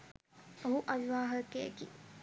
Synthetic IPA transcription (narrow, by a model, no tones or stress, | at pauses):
oɦuʔaʋiʋaːɦɐkeḛki